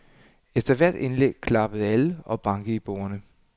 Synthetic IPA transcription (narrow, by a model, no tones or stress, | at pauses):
efd̥ɐʋæɐ̰d̥e̝nleɡ̥̚kʰlɑ̈b̥əð̞̩ˠæləɒ̽b̥ɑ̈ŋɡ̥əib̥o̝̰ːɐnə